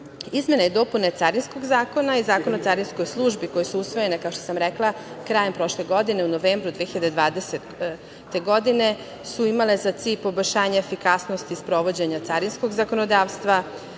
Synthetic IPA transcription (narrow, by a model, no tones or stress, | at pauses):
izme̞naed̪o̞punet̪saɾinsko̞ɡzaːko̞naizaːkonot̪saɾinsko̞jslˠuʒbikojesuusʋoje̞nekao̞ʃt̪osamɾɛklˠakɾaːje̞mpɾo̞ʃle̞ɡo̞d̪ine̞uno̞ʋeːmbɾud̪vʋeːxiʎad̪ed̪ʋaːd̪ese | t̪ːeɡo̞d̪ine̞ | suimale̞zat̪siːʎpo̞boʎʲʃaːɲaefikasno̞st̪ispɾo̞ʋo̞d͡ʑeɲat̪saɾinsko̞ɡzako̞no̞d̪aːʋst̪ʋa